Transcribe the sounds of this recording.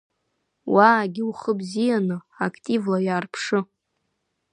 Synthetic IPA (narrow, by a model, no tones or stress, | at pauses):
wʔaːɡʲiuχəbzijanɨakʰʼtʼivlajaːrpʰʂɨ